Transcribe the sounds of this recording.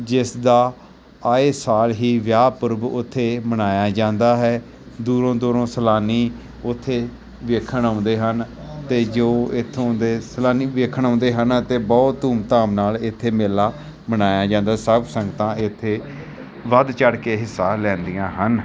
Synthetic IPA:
d͡ʒɪsd̪aː | aːeːsaːlɦiːʋjaːpʊɾbʊt̪ʰːeːmənaːjaːd͡ʒãːnd̪aːɦɛː | d̪uːɾõːd̪oːɾõːsəlaːniː | ʊt̪ʰːeː | ʋeːkʰəɳãːʊnd̪eːɦənt̪eːd͡ʒoːɪt̪ʰːõd̪eːsəlaːniːʋeːkʰəɳ̃ãːnd̪eːɦənt̪eːbɔːt̪uːmt̪ãːmnaːlɪt̪ʰːeːmeːlaː | mənaːjaːd͡ʒãːnd̪aːsəbsəŋɡt̪ãːɪt̪ʰːeː | ʋəd̪t͡ʃəɽkeːɦɪsːaːlɛ̃ːnd̪ijãːɦən

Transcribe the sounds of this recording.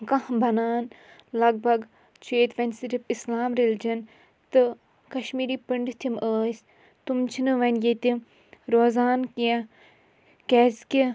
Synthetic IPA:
kɐhbɐnaːn | lɐɡ̚bʱɐɡ | t͡ʃʰeːt̪ʋɐnʲsiɾipislaːmɾeld͡ʒɐn | t̪ɨ | kɐʃmiːɾiːpiɳɖt̪ʰimʔəːs | t̪umt͡ʃʰinɨʋɐnjet̪i | ɾoːzaːnkiã | kɛːskʲi

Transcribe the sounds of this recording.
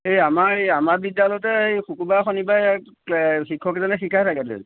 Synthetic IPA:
ejamaejamaɹbidːalɔtɛejxukubaxɔnibaɛk | xikʰːɔkɛzɔnɛxikʰajtʰakɛdḭl

